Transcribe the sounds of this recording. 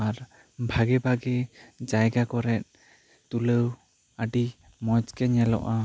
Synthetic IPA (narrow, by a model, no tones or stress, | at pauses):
aɾ | bʱaɡɛbʱaɡɛd͡ʒajɡakɔɾɛt̪̚ | t̪uləw | aɖi | mɔd͡ʒkɛɲɛlɔ̰ʔa